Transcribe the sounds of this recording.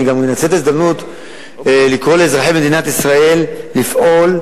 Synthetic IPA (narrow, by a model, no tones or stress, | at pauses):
ɡammenat͡set̪ezd̪amnut̪ | likʁo̞leːzʁaħebme̞d̪inat̪isʁae̞lːifʔo̞l